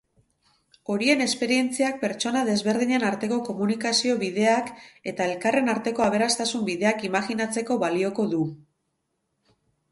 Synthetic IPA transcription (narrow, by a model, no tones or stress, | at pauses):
o̞ɾie̞ne̞spe̞ɾie̞nt͡siak̚pe̞ɾt͡ʃo̞naðe̞zβe̞ɾð̞iɲe̞naɾt̪e̞ko̞ko̞munikasio̞βið̞e̞ake̞t̪ae̞lkare̞naɾt̪e̞ko̞aβ̞e̞ɾast̪asumbiðe̞akimaɣinat͡se̞ko̞βalio̞ko̞ðu